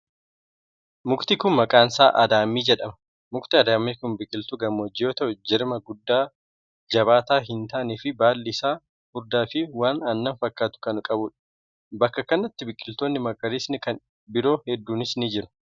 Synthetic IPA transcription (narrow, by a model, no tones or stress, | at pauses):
mʊkt̪ɪkʊnmɐkʼaːnsa̰ːʔɐ̰d̪aːmːiːd͡ʒɛᶑɐmɐ̥ | mʊkt̪ɪɐd̪aːmːiːkʊnbɪkʼːɪlt̪ʊɡɐmɔd͡ʒːɪjoːt̪ɐʔʊd͡ʒɪɾmɐɡʊd̪ːaː | d͡ʒɐβaːt̪aːɦɪnt̪aːniːfɪbaːlːɪsaː | hʊɾd̪aːfɪwaːnɐnːɐɱfɐkːaːt̪ʊ̥kɐnʊkʼɐbʊᶑɐ̥ | bɐkːɐkɐnːɐt̪ːɪbɪkʼːɪlt̪oːnːɪmɐkʼːɐɾiːsnɪkɐn | bɪɾo̞ːhɛd̪ːuːnɪsnɪd͡ʒɪɾʊ̥